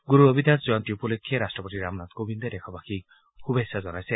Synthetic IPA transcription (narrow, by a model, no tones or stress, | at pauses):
ɡuɾuʌbid̪ʱjand͡zuant̪ijopulikʰːeɾasʈrʌpʌt̪iɾamnat̪̚ɡobind̪ʌd̪ekʰʌbakʰi | kʰubesad͡zʌnajse